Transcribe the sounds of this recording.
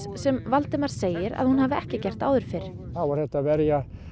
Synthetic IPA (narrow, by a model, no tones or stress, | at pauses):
sɛmvalt̪ɪmaɾ̥seːjɪɾa̰ðhunhaːvɪɛhcɪcɛr̥t̪aːwðʏɾ̥fɪɾ̥ | θawaɾθɛht̪avɛɾja